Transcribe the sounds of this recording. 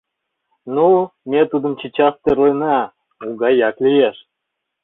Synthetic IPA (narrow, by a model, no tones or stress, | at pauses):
numʲet̪ud̪ə̆mt͡ɕit͡ɕɑft̪eɾlɤjne | uɡɑjɑklʲijeʃ